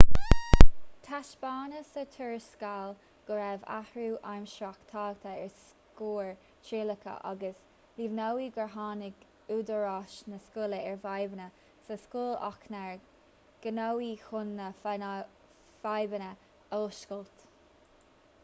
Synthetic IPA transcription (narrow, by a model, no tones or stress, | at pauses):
t̪ʰaʃb̥ɑːnəsət̪ʰəɹskal | ɡ̥əɾɛva̰hɹuːʔaɹmʃɾakt̪ʰɑːɡ̚t̪ʰəɛɹs | kuːɹ | t͡ʃeːləkʰə̰ʔa̰ɡəs | livnawiːɡəɹɦɑːnɪɡ | uːd̪əɹɑʃnəskʊləɛɹvajbənə | səskuːlɑ̰knɛɹ | ɡ̥ənowixʊnːə | v̥ajbənə | oːʃkəlt̪